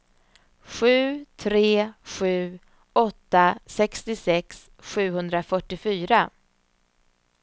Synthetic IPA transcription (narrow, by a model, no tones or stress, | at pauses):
ɧʉ̟ːt̪ʰɾeːɧʉ̟ː | ɔt̪ːasɛkst̪ɪsɛks | ɧʉ̟ːhɵnd̪ɾafœʈːɪfyːɾa